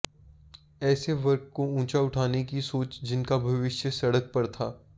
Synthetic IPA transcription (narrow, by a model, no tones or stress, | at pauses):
ɛːseʋɐɾkkːoũːt͡ʃaʊʈʰaːnekisoːt͡ʃd͡ʒɪnkabʱɐʋɪʃjəsɐɽək̚pɐɾt̪ʰaː